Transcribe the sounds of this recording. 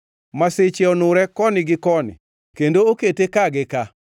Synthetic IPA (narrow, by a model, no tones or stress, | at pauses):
masɪt͡ʃɛɔnʊɾɛkɔnɪɡɪkɔnɪ̰ | kendooketekaɡɪka